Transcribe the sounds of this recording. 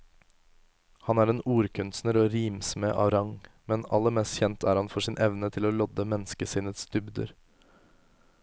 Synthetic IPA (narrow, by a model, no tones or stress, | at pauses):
hɑnæːɾeːnuːɾkʰʉnsnəɾoːɾiːmsmeʔɑ̰ɾɑŋmɛnɑ̰lːəɾmɛːst̪çɛnt̪ʰæːɾhɑnfɔʂiːnʔɛʋnət̪ʰɪloːlɔd̪əmɛnskəsɪːnət̪sd̪̥ʏbd̪ə̰ɾ